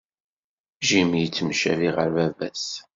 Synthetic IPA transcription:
ʒimjət͡sːmʃæviʁəɾvævæs

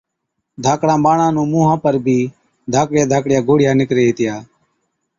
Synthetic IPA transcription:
d̪ʱaːkɽãːɓaːɳãːnũːmũːɦãːpəɾbʱiː | d̪ʱaːkɽjaːd̪ʱaːkɽɪjaːɡoːɽjaːnɪkɾeːɦeːt̪ɪjaː

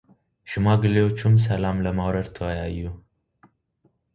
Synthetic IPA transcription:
ʃɨmaɡɨlewo̞t͡ʃːums̬əlamləmawɾəd̪t̪ʰəwəjajːu

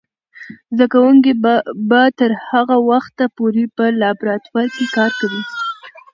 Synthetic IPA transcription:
zd̪akawŋk̬ebat̪əɾhaɣawaxt̪ːapoɾepəlɑbɾɑt̪waɾkekɑɾkawi

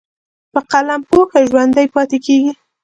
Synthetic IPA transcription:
pəqalampoxaʒwand̪ajpɑt̪ekeɡi

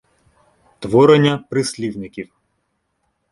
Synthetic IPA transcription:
t̪ʋɔɾenʲːɐpɾɪsʲlʲiwnɪkʲiw

